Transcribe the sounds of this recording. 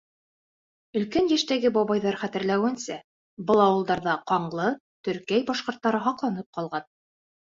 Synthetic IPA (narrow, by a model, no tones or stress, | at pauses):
ɵ̆lkænjæʃt̪æɡɘbɑβɑjðɑɾχæt̪ɘ̆ɾlæwɘ̆nsæ | bɤlˠɑwɤ̆lˠd̪ɑɾðɑqɑɴlˠɤ | t̪ɵ̆ɾkæjbɑʃqŏɾt̪ːɑɾɤɦɑqlˠɑnɤp̚qɑlˠʁɑn